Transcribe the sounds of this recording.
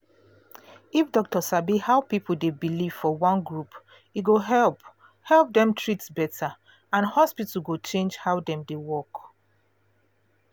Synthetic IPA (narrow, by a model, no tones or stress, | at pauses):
ifdɔk̚tɔsabihaʊpipʰl̩debiliv̥fɔwɔ̃nɡɹup | iɡoɦɛlp | hɛlˠp̚dɛ̃mtʰɹitsbɛtʰa | ãnhɔspitl̩ɡot͡ʃẽnd͡ʒhaʊdɛ̃mdewɔk